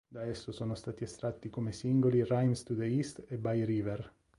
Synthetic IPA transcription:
d̪aɛsːosonost̪aːt̪iest̪ɾat̪ːikomesiŋɡolirajmst̪ud̪eist̪ebajɾiːveɾ

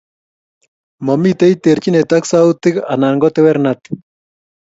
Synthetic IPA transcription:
momit̪ejt̪eɾt͡ʃinet̪aksawt̪ika̰naŋɡot̪eβeɾnat̪

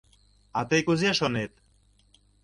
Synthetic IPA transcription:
ɑt̪əjkuzeʃonet̪̚

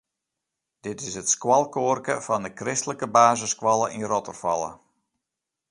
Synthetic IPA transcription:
d̥ɪtɪsɦətskwɑlˠkoːrkəfɑndəkrɪstələkəbaːzəskwɑlˠəʔinrɔtərfɑ̰lˠə̰

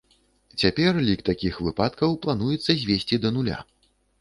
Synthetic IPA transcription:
t͡sʲapʲɛrlʲikt̪akʲixvɨpat̪kɐwplˠan̪ujɛt̪sːɐzʲvʲesʲt͡sʲid̪ɐnulʲa̰

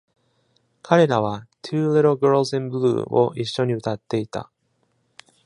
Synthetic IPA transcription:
kʰaɾe̞ɾaβ̞at̪ʰɯːle̞ɾo̞ɡɯɾsẽmbɯɾɯ̰ːʔo̞̰ʔiɕːo̞ɲ̟iɯ̟t̪at̪ːe̞it̪a̰

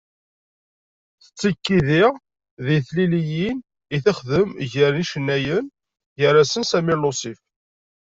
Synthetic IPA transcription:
θə̥t͡sːəkːiðɪʁ | ðiθlilijin | iθəχðəmʝəɾniʃənːæjən | jəɾæsənsæmilosif

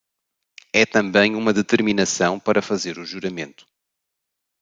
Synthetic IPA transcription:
ɛt̪ɐ̃mbɐ̃j̃umɐðɨt̪ɨɾminɐsɐ̃w̃pɐɾɐfɐzeɾuʒuɾɐmẽnt̪u̥

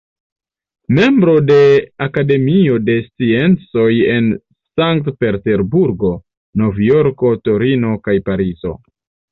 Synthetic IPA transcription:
me̞mbɾo̞de̞akade̞mio̞de̞st͡sie̞nt͡so̞je̞n | saŋktpe̞ɾte̞ɾbuɾɡo̞ | no̞vjo̞ɾko̞to̞ɾino̞kajpaɾizo̞̰

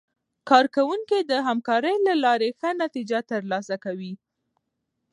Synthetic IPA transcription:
kɑɾkawuŋkid̪əɦamkɑɾəjlalɑɾexənat̪id͡ʒat̪əɾlɑsakawi

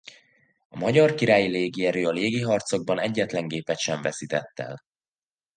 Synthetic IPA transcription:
ɒmɒɟɒrkiɾaːjileːɡiɛɾøːɒleːɡiɦɒrt̪so̞ɡ̚bɒnɛɟːɛt̪lɛŋɡeːpɛt̪ʃɛɱvɛsit̪ɛt̪ːɛ̰l

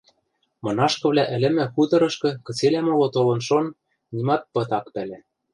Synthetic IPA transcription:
mɤ̆nɑʃkɤ̆βlæʔɘ̆lɘ̆mɘ̆xut̪ɤ̆ɾɤ̆ʃkɤ̆kɤ̆t͡selæmolot̪olɤ̆nʃon | nimɑt̪̚pɤ̆t̪ɑkpælæ̆

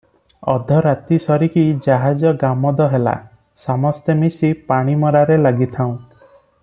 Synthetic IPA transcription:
ɔd̪ʱɔɾat̪isɔɾikid͡ʒaɦad͡ʒɔɡamɔd̪ɔɦela̰ | samɔst̪emisipaɽ̃imɔɾaɾelaɡit̪ʰaw̃

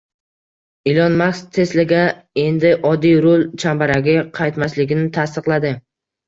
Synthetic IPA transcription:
ɪlɒnmaχst̪ʰe̞slɪɡʲa | e̞nd̪ɪʔɒd̪ːijɾolˠt͡ʃʰambaɾaɡʲɪqʰɑjt̪maslɪɡʲɪnɪt̪ʰast̪ɨqlˠad̪ɪ

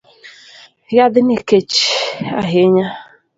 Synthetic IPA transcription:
jad̪ɪneket͡ʃa̰ɦeɲa

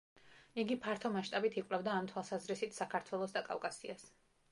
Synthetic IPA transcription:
iɡipʰaɾt̪ʰɔmaʃt̪ʼabit̪ʰikʼvlɛbd̪aːmt̪ʰwalˠsazɾisit̪ʰsakʰaɾt̪ʰwɛlˠɔsd̪akʼa̰fkʼasḭas

